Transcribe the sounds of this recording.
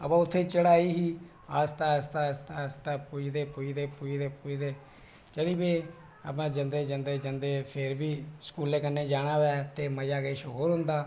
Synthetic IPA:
əpãːʊt̪ʰːeːt͡ʃəɽaːiːɦiː | aːst̪aːst̪aːst̪aːst̪aːpuid̪eːpuid̪eːpʊid̪eːpʊid̪eː | t͡ʃəɽiːbeː | ə̰p̬ãːd͡ʒənd̪eːd͡ʒənd̪eːd͡ʒənd̪eːpʰɪɾbiːsə̥kuːleːkənːeːd͡ʒaːɽ̃aːβɛːt̪eːməd͡ʒaːɡəiːʃoɦoːɾɦʊ̃nd̪aː

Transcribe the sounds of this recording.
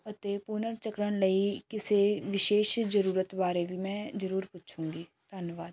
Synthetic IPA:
ɐt̪epunəɾt͡ʃəkɾəɽ̃ləikɪseʋɪʃeːʃd͡ʒəɾuːɾət̪baːɾebʱimɛ̃ːd͡ʒəɾuːɾpʊtːt͡ʃʰũːŋ̆ɡiː | d̪̥ʱənjəʋaːd̪

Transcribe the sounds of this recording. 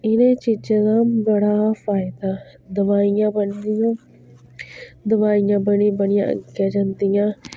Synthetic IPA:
ɪnẽːt͡ʃiːd͡ʒãːd̪ãːbəɽaːfaːɪd̪aː | d̪əʋaːɪjãːbənd̪ɪjãː | d̪əʋaːɪjãːbənĩbənɪjã̰ːʔə̰ɡjãːd͡ʒãːnd̪ɪjãː

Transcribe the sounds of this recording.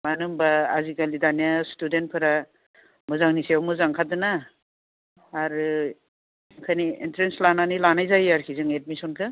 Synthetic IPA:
manɯmbaːziɡalidanjastudent̚pʰɯɾa | mɯzaŋnisewmɯzaŋkʰadɯna | ɾɯ | kʰanientɾenslananilanajzajaɾkʰizɯŋet̚misɔnkʰɯ

